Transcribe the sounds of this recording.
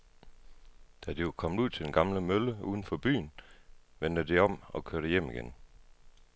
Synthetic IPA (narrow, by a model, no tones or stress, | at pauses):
d̥æd̥iʋɑkʰɒ̽m̰d̥uð̞̰ˠt͡sʰe̝d̥enɡ̥ɑ̈mləmøləuːðˠn̩fɒ̽b̥y̰ːnʋend̥əd̥iɒ̽m̰ɒ̽kʰøɐɾ̥əjem̰iɡ̥en